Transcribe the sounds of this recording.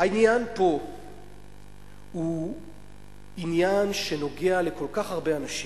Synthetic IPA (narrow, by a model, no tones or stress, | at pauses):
hainjanpo̞ | hu | injanʃe̞no̞ɡeale̞ko̞lkaχhaʁbeanaʃi